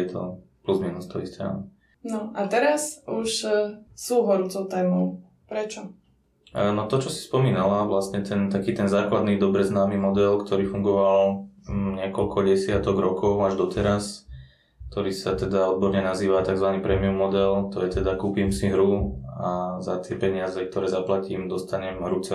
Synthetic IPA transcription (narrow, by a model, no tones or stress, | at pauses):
ɛt̪ʰɔ̰pluzminust̪ɔistɛa̰nɔ | nɔʔat̪ɛɾasuʃsuːɦɔɾuːt͡sɔʊt̪ɛːmɔʊ | pɾɛt͡ʃɔ | nɔt̪ɔt͡ʃɔsi̥spɔmiːnalaʋlast̪ɲɛt̪ɛnt̪akiːt̪ɛnzaːklad̪niːd̪ɔbɾɛznaːmimɔd̪ɛlkt̪ʰɔɾiːfuŋɡɔʋal | ɲɪɛkɔlkʰɔɟɛsɪat̪ɔɣɾɔkɔʊaʒd̪ɔt̪ɛɾas | kt̪ɔɾiːsat̪ɛd̪aɔd̪̚bɔɾɲɛnaziːʋat̪aɡzʋaniːpɾɛmiumːɔd̪ɛlt̪ɔjɛt̪ɛd̪akuːpimsiɦɾuaza̰t̪ɪɛpɛɲɪazɛk̚t̪ɔɾɛːzaplaciːmd̪ɔst̪aɲɛmɦɾut͡sɛ